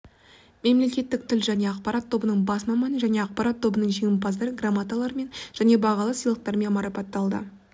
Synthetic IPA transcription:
me̞mle̞kʲe̞t̪ːɪk̚t̪ʰɪlʒæne̞ɑqpɑɾɑt̪ʰːo̞bənəɴbɑsmɑmɑnəʒæne̞ɑq̚pɑɾɑt̪ʰːo̞bənəɴʒeŋʲɪmpɑzd̪ɑɾəɡramat̪alˠɑɾme̞nʒ̥æne̞bɑʁɑlˠəsəjlˠəq̚t̪ɑɾme̞nmɑɾɑpɑt̪ːɑlˠd̪ə̰

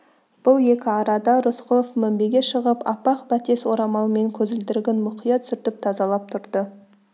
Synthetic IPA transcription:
b̥ʊlˠje̞kʲɪɑɾɑd̪ɑɾʊsqʰʊlˠofmæmbe̞ɡʲe̞ʃəʁəpɑpɑqbæt̪e̞swo̞ɾɑmɑlˠəme̞ŋkʲʰɵzɪld̪ɪɾɡʲenmʊqʰijɑt̪ʰʏ̥sʏɾt̪ɪp̚t̪ʰɑzɑlˠɑp̚t̪ʰʊɾd̪ə

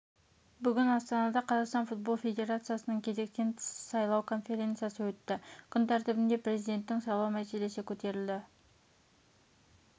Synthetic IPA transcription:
bʏɡʲɪnɑst̪ɑnɑd̪ɑqʰɑzɑqst̪ɑnfut̪̚bo̞lˠfʲe̞d̪e̞ɾat̪sɨjasənəɴkʲʰe̞ze̞k̚t̪e̞nsɑjlˠɑwkʰo̞nfʲe̞ɾʲe̞nt̪sɨjasəwɵʏt̪ːɪkʲʰʏnt̪ʰæɾt̪ʏbɪnd̪e̞pɾe̞zijd̪e̞nt̪ːɪŋsɑjlˠɑwmæse̞le̞sɪkʲʰɵt̪e̞ɾɪld̪ɪ

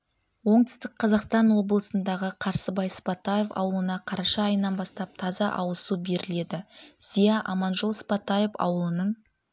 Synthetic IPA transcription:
wo̞ɴd̪ɪ̥st̪ɪk̚qʰɑzɑqst̪ɑnwo̞blˠəsənd̪ɑʁəqʰɑɾsəbɑjspɑt̪ːɑje̞fɑ̰wəlˠənɑqʰɑɾɑʃɑːjənɑnbɑst̪ɑp̚t̪ʰɑzɑʔɑwəsube̞ɾɪle̞d̪ɪz̥ijɑʔɑmɑnʒəlˠspɑt̪ːɑje̞fɑ̰wəlˠənəɴ

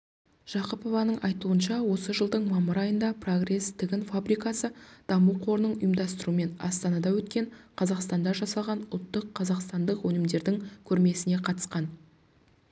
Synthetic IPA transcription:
ʒ̥ɑqəpo̞vɑnəɴʔɑjt̪uənʃɑwo̞səʒəlˠd̪əɴmɑməɾɑjənd̪ɑpʰro̞ɡre̞st̪ʰɪɡʲɪnfabɾijkɑsəd̪̥ɑmuqʰo̞ɾənəɴʊjəmd̪ɑst̪əɾuəme̞nɑ̰st̪ɑnɑd̪ɑwɵt̪kʲe̞ɴqʰɑzɑqst̪ɑnd̪ɑʒɑsɑlˠʁɑnʊ̰lˠt̪ːəqʰːɑzɑqst̪ɑnd̪əqwɵnɪmd̪e̞ɾd̪ɪŋkʲʰɵɾme̞sɪne̞qʰɑt̪ə̥sqɑn

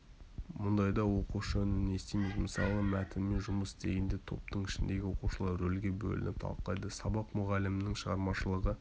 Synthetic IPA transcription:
mʊnd̪ɑjd̪ɑwo̞quʃənnest̪ejmekməsɑ̰lˠəmæt̪ɪmːe̞nʒʊməst̪ʰe̞ɡʲend̪e̞t̪ʰo̞̰p̚t̪əɴɪʃɪnd̪e̞ɡʲɪwo̞quʃəlˠɑɾɾɵlɡʲe̞bɵ̰lɪ̰nɪp̚t̪ʰɑ̰lˠqɑjd̪əsɑbɑqmʊʁɑlɪmɪnɪŋʃəʁɑɾmɑʃəlˠəʁə

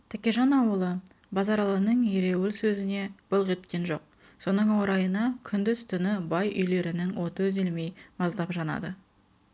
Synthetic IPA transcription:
t̪ʰækʲe̞ʒɑnɑwəlˠə | bɑzɑɾɑlˠənəɴjeɾe̞wɪlsɵzɪne̞b̥ʊlˠqe̞t̪kʲe̞nʒo̞q̚ | so̞nəɴwoɾɑjənɑkʲʰʏnd̪ɪzt̪ʰʏnɪbɑjʔʏ̰jle̞ɾɪnɪŋwo̞t̪əʏzelme̞jmɑzd̪ɑpʒɑnɑ̰d̪ə

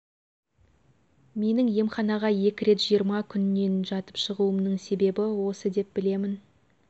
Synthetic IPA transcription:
me̞nɪŋje̞mχɑnɑʁɑje̞kʲɪɾe̞t̪ʒ̥ijəɾmɑkʲʰʏnːe̞nʒɑt̪ə̥pʃəʁuəmnəɴse̞be̞bɪwo̞səd̪e̞p̚bɪle̞mɪn

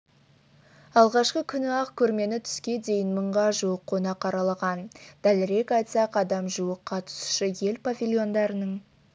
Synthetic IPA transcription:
ɑlˠʁɑʃqəkʲʰʏnɪɑqkʲʰɵɾme̞nɪt̪ʰʏ̥skʲe̞d̪e̞jɪnməɴʁɑʒuwəqʰːo̞nɑqʰːɑɾɑlˠɑʁɑnd̪̥ælɪɾe̞kɑjt̪sɑqɑd̪ɑmʒuəqːɑt̪ʰʊ̥sʃəje̞lpʰavʲilʲio̞nd̪ɑɾənəɴ

